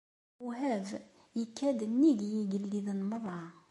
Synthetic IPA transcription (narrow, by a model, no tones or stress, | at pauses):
uɦæv | jəkːæd̪ənːiɡjiɡəlːiðənməðˤɑ